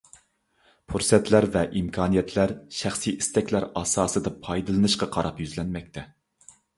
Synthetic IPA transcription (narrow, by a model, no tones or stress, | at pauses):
pʰuɾsɛt̪ʰlæɾvɛʔimkʰɑːnijɛt̪ʰlæɾʃæχsiist̪ɛkʲlæɾɑːsɑːsɨd̪ɑpʰɑjd̪ɨlˠɨnɨʃqɑqʰɑɾɑpjyzlɛnmɛk̚ʲt̪ʰɛ